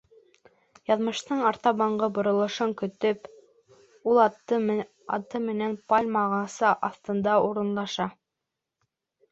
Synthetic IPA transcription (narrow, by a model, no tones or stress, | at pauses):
jɑðmɤ̆ʃt̪ɤɴɑɾt̪ɑβɑɴɢɤbŏɾŏlˠŏʃɤŋkɵ̆t̪ɵp | ulˠt̪ | ɑ̰t̪ɤmɘ̆nænpalʲmɑʁɑsɤʔɑθt̪ɤ̆nd̪ɑuɾɤ̆nlˠɑʃɑ